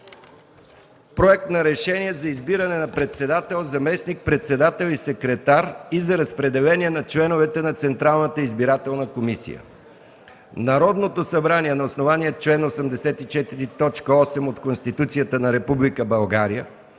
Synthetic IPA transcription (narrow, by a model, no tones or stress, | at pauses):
pɾoɛk̚t̪nɐɾɛʃɛniɛzɐizbiɾənɛnɐpɾɛt̪sɛd̪at̪ɛlˠzɐmɛsnik̚pɾɛt̪sɛd̪at̪ɛlˠisɛkɾɛt̪aɾizɐɾɐspɾɛd̪ɛlɛniɛnɐt͡ʃlɛnovɛt̪ɛnɐt̪sɛnt̪ɾalˠnət̪əizbiɾat̪ɛlˠnəkomisḭjə̰ | nɐɾɔd̪not̪osɐbɾaniɛnɐosnovanijət̪t͡ʃlɛnosəmd̪ɛsɛt̪it͡ʃɛt̪iɾit̪ɔt͡ʃkəɔsɛmot̪konst̪it̪ut̪sijət̪ənɐɾɛpublikəbɐlˠɡaɾijə